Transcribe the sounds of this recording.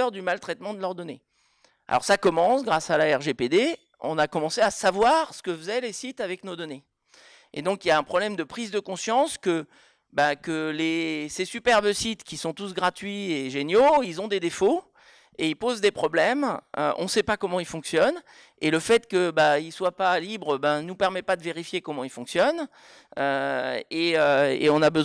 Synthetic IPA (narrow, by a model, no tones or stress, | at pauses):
œʁd̪ymalt̪χɛt̪mɑ̃d̪əlœʁd̪ɔne | a̰lɔ̰ʁsakɔmɑ̃sɡʁasalaɛʁʒeped̪e | ɔ̰̃nakɔmɑ̃seasavwaʁsə̥kəfəzɛlesit̪avɛknod̪ɔne | ḛd̪ɔ̃kiljaɛ̃pχɔblɛmd̪əpχizd̪əkɔ̃sjɑ̃skə | bakəlesesypɛʁbəsit̪kʲisɔ̃t̪us̬ɡʁat̪ɥieʒenjoilzɔ̃d̪ed̪efo | eilpozd̪epχɔblɛmø̰ʔɔ̰̃sɛpakɔmɑ̃ilfɔ̃ksjɔn | eləfɛt̪kəbailswapalibʁəbɛ̃nupɛʁmɛt̪̚pad̪əveʁifjekɔmɑ̃ilfɔ̃ksjɔn | øeøḛɔ̃nabəz